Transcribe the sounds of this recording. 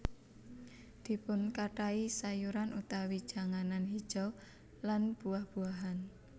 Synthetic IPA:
d̪̥i̤pʊnkaʈaisajuɾanut̪awid̥ʒ̥a̤ŋananɦid̥ʒ̥ɔ | lanb̥uahb̥uaɦan

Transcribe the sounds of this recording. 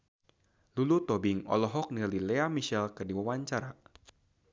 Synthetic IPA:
lulut̪ɔbɪŋɔ̰lɔɦɔk̚nililɛamiʃɛlkərdiwawaɲt͡ʃaɾa

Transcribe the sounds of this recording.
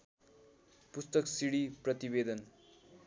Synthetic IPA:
pust̪ʌksiɽiprʌt̪ibed̪ʌn

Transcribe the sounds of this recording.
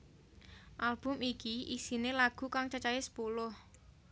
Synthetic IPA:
ʔalb̥ʊ̤mikiʔisinelaɡ̥ṳkaŋt͡ʃat͡ʃajesə̥polʊh

